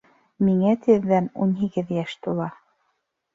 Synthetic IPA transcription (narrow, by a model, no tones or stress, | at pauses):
miŋæt̪ʰɘ̆ðːænunɦiɡɘðjæʃt̪ulˠɑ